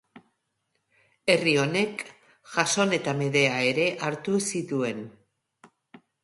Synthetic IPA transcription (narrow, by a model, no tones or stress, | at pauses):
e̞rio̞ne̞k | ʝaso̞ne̞t̪ame̞ðe̞ae̞ɾe̞ʔaɾt̪usit̪ue̞n